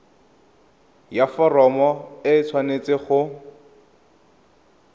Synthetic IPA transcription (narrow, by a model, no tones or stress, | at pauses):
jafɔrɔmɔɪt͡sʰwanet͡sɪχʊ